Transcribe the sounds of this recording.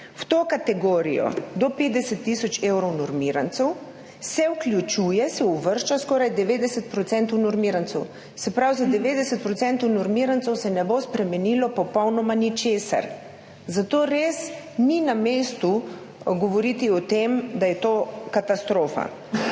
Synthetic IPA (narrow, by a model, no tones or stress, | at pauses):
wt̪okat̪ɛɡoːɾḭjɔ̰d̪ɔped̪ɛsɛt̪ːisɔt͡ʃewɾɔwnɔɾmiɾant̪sɛw | sɛwklʲjut͡ʃuːjɛsɛuʋəɾʃt͡ʃaskɔːɾajd̪ɛʋeːd̪ɛsɛt̪̚pɾɔt̪sɛnt̪ɔwnɔɾmiːɾansɛw | sɛpɾawzad̪ɛʋeːd̪ɛsɛt̪̚pɾɔt̪sɛnt̪ɔwnɔɾmiɾantsɛwsɛnɛbospɾɛmɛnilɔpɔpɔwnɔmanit͡ʃeːsa̰ɾ | zat̪oːɾes | ninameːst̪u | ɡɔʋɔɾit̪iɔt̪emd̪ajɛt̪oːkat̪ast̪ɾoːfa̰